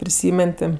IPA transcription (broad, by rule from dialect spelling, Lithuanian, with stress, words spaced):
pʲrʲɪˈsʲiːmʲɛn ˈtʲɪ